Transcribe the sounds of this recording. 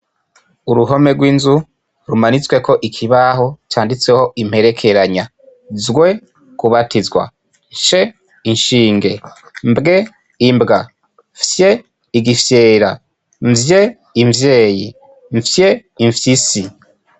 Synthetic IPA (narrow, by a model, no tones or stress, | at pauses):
uɾuɦo̞me̞ɡwiːnzu | ɾumanit͡swe̞ko̞ʔikʰiβaɦo̞t͡ʃaːndit͡se̞ho̞ʔim̥he̞ɾekʰe̞ɾaɲa | zɡwe̞ | kuβatizɡwa̰ | nʃe | iɲʃiːŋɡe̞ | mbɡe̞ | imbɡa | fje̞ | iɡifje̞ːɾa | ɱvje̞ | iɱvje̞ːji | ɱfjeiɱfjisi